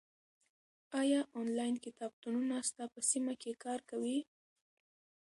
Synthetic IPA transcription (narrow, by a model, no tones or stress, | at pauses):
ɑjɑʔonlɑjnkɪt̪ɑb̚t̪ununast̪apəsimakekɑɾkawi